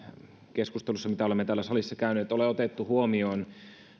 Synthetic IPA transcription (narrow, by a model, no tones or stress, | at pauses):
keskust̪elusːɑmit̪æolemːet̪æːlːæsɑlisːɑkæynyet̪ːoleot̪et̪ːuhuomioːn